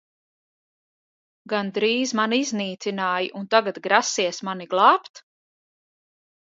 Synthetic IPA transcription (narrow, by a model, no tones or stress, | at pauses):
ɡand̪ɾiːzmanizniːt̪sinaːjiʔunt̪aɡat̪ɡɾasiɛsmaniɡlˠɑːpt̪